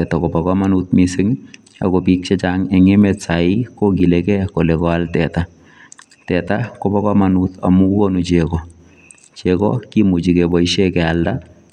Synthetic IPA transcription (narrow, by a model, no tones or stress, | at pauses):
ɛtakobakamanut̪̚miseŋ | a̰kɔpik̚t͡ʃɛt͡ʃaŋɛŋemɛtsaikokilɛkɛkolɛkɔaltɛta | tɛtakobakamanuta̰mukukonut͡ʃɛkɔ | t͡ʃɛkɔ̰kimut͡ʃikɛbɔiʃɛkɛalda